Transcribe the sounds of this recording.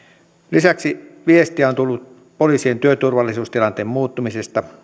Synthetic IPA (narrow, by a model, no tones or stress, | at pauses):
lisæksiʋiest̪iæont̪ulːut̪̚ | poliːsient̪yøt̪urʋɑlːisuːst̪ilɑnt̪eːmmuːt̪ːumisest̪ɑ